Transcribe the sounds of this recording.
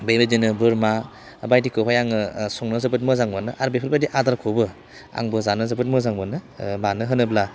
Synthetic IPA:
bejbedinɯbɯɾma | bajdikʰɯpʰajaŋɯsɔŋnɯzɯbɯt̚mɯzaŋbɯnɯʔaɾbepʰɯtbajdiʔadaɾkʰobɯ | a̰ŋbɯzanɯzɯbɯt̚mɯzaŋbɯnɯbanɯɦɯnɯbla

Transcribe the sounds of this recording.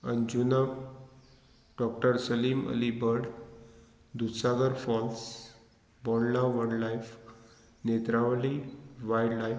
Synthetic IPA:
ənd͡ʑunə | ɖɔk̚ʈəɾsəliːmə̰libəɾɽ | d̪usaɡəɾfɔls | bɔllaʋənlajf | net̪ɾaʋliʋajɖlaj

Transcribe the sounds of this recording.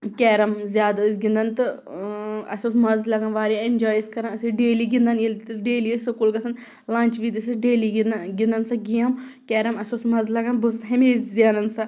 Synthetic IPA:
kʲɛːɾɐmzʲjaːd̪ɨsʲɡʲĩnd̪ɐnt̪ɨ | ɐsʲosmɐzlɐɡɐnʋaːɾʲjaenʲd͡ʒaːjskɐɾɐnɐsiɖeːliɡind̪ɐniɖeːliəsokulɡɐsʰɐn | lãːnt͡ʃʋit̪isʲɐɖeːliɡind̪ɐnsɐɡijɐmkʲɛːɾɐmɐsosmɐzlɐɡɐnbus̬ɦɐmeːzzʲaːnɐnsɐ

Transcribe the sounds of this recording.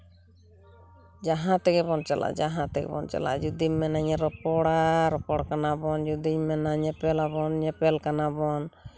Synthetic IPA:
d͡ʒaɦãt̪ɛɡɛbɔnt͡ʃalʔa̰ʔd͡ʒaɦãt̪ɛɡɛ̰bɔ̰nt͡ʃa̰la̰d͡ʒud̪iɲmɛnaɲɛɾɔpɔɽaɾɔpɔɽkanabɔnd͡ʒud̪imɛnaɲɛpɛlabɔnɲɛpɛlkanabɔn

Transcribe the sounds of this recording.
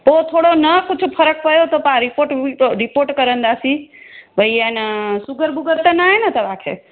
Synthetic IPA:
pot̪ʰoɽonəkut͡ʃʰpʰəɾək̚pəjot̪opaɾipoɾʈɾipoːɾʈkəɾənd̪asibʱəjːansuɡəɾbuɡəɾt̪enaenɐt̪əʋakʰḛ

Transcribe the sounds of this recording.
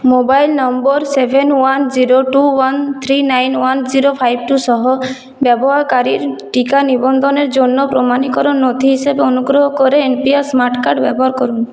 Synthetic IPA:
mobajlnɔmbɔɾsebʱenwand͡ʒiɾoʈuwant̪ʰɾinajnwand͡ʒiɾopʰajb̚ʈusɔɦɔ | bjɔbɔɦakaɾiɾʈikanibɔnd̪ʱɔneɾd͡ʒonːɔpɾɔmanikɔɾɔnːod̪ʱiɦisebeonuɡɾɔɦɔkɔɾeːnpiasmaɾʈkaɾʈbɛbɔɦaɾkɔɾun

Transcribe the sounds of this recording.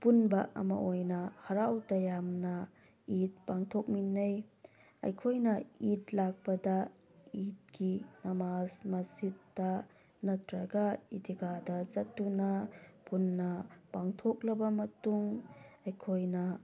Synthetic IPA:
punbɐʔɐ̰mɐ̰ʔojnɐhɐɾawtɐjamnɐ | it̚paŋtʰok̚minːɐj | ɐ̰jkʰojnɐitlak̚pɐdɐ | it̚ɡinɐmasmɐsitːɐ | nɐtɾɐɡaitiɡadɐt͡ʃɐtːunɐpunːɐpaŋtʰoklɐbɐmɐtuŋɐjkʰojnɐ

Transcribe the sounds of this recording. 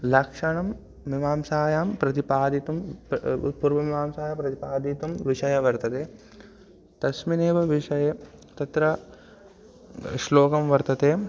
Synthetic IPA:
lɐkʂɐɳɐmː | imaːmsaːjaːmpɾɐt̪ipaːd̪it̪um̰t̪puɾʋɐmimaːmsaːjapɾɐt̪ipaːd̪it̪umʋiʂɐjɐʋɐɾt̪ɐt̪eː | t̪ɐsmineːʋɐʋiʂɐje | t̪ɐt̪ɾɐ | ʃloːkɐmʋɐɾt̪ɐt̪eː

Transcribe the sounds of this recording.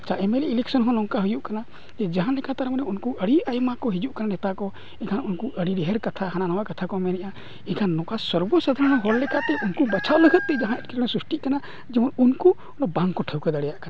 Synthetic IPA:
t͡ʃʰaʔɛmeliilɛksɔnɦɔ̃lɔŋkaɦujuʔkana | d͡ʒɛd͡ʒaɦanlɛkat̪aɾmanɛunkuʔəɽiajmakɔɦid͡ʒuʔkananɛt̪akɔ | ɛkʰanunkuʔəɽiɖɛɦɛɾkat̪ʰaɦananawakat̪ʰakɔmɛnɛʔa | ɛkʰanːɔ̃kasɔɾbɔsad̪ʱaɾɔñɔɦɔɽlɛkat̪ɛʔunkubat͡ʃʰaʔləɡʱət̪̚ːɛd͡ʒaɦãɛʈ̚kʰiɾnɔ̃sɾusʈiʔkana | d͡ʒɛmɔnunku | nɔbãŋkɔʈʰəwkad̪aɽɛjaʔkana

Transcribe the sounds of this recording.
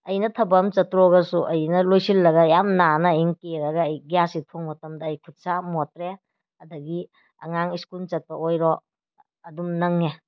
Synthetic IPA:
ɐjnɐtʰɐbɐmt͡ʃɐtɾɔɡɐsuʔɐjnɐlojsilːɐɡɐjamnanɐjŋkeɾɐɡɐːjɡijasitʰoŋmɐtɐmdɐːjkʰut̚samotɾe | ɐdɐɡi | ɐ̰ŋaŋiskult͡ʃɐt̚pɐojɾɔ | ɐdumnɐŋe

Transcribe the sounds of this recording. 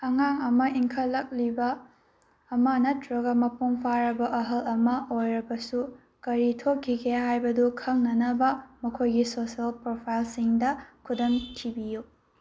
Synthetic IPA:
ɐŋaŋɐmɐiŋkʰɐlːɐk̚libɐː | mɐnɐtɾɐɡɐmɐpuŋpʰaɾɐbɐʔɐɦɐlɐmɐojɾɐbɐsu | kɐɾitʰokʰːiɡehajbɐdukʰɐŋnɐnɐbɐmɐkʰojɡisosiɐlpɾopʰajlsiŋdɐkʰudɐmtʰibiju

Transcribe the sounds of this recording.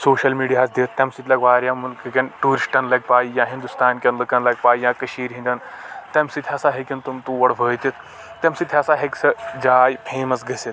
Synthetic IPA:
soːʃɐlmiːɽijaːsd̪eːt̪ːʲɐmsit̪ʲlʲɐɡʋaːɾʲjamulkɨkʲɐnʈuːɾisʈɐnlɐɡ̚paːjijãːɦind̪ust̪aːnkʲɐnləkanlɐɡ̚paːjjãkɐɕiːɾɦĩnd̪ɐnt̪ɐmsit̪ʰɦasaɦekʲɐnt̪umt̪uʋɐɽʋʱəːjt̪it̪ | t̪ːɐmsit̪ʰɦʲasaɦeksɐd͡ʒaːjpʰeːmɐsɡɐset̪

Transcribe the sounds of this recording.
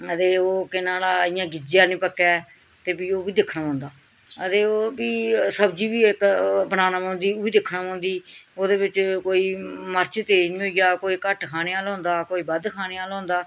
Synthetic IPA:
ət̪eːoːkɪnãːlaːɪjãːɡɪd͡ʒɪjaːnĩːpəkːɛː | t̪eːbiːoːbiːd̪ɪkʰːnaːpãːʊ̃nd̪aː | ət̪eːoːbiːsəbd͡ʒiːbiːɪkbənaːnaːpãːnd̪iːoːiːd̪ɪkʰnaːpãːnd̪iːoːd̪eːbɪt͡ʃkoːiːməɾt͡ʃt̪eːnĩːɦoiɡaːkoːiːkəʈkʰaːñeːaːlõːnd̪aːkoːiːbəd̪kʰaːneːaːlõːnd̪aː

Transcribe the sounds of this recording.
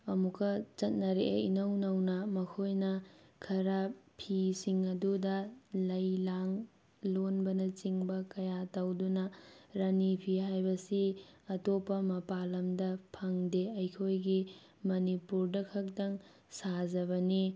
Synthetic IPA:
ɐmukɐt͡ʃɐt̚nɐɾeʔḛinɐwnɐwnɐmɐkʰojnɐkʰɐɾɐpʰisiŋɐdudɐlɐjlaŋ | lonbɐnɐt͡ʃiŋbɐkɐjatɐwdunɐɾɐnipʰiɦajbɐsiɐtopːɐmɐpalɐmdɐpʰɐŋdeɐjkʰojɡi | mɐnipuɾdɐkʰɐk̚dɐŋ | sazɐβɐni

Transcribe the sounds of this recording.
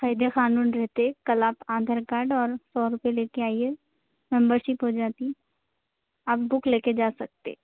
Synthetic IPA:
xaːɪd̪exaːnuːnɾɛɦt̪eɛkɐlaːpãːd̪ʱəɾkaːɾɖɔːɾsɔːɾʊpeleːkeaːie | mɛ̃mbəɾʃɪpɦod͡ʒaːt̪i | aːp̚bʊkleːked͡ʒaːsɐk̚t̪ḛ

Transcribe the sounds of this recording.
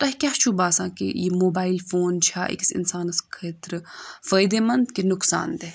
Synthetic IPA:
t̪ɐɦkʲaːt͡ʃʰubaːsãːkḛjemoːbaːilfoːnt͡ʃʰaːʔḭksɪ̰nsaːnɨskʰeːt̪ɾfəːjd̪emɐnd̪kenʊksa̰ːnd̪e

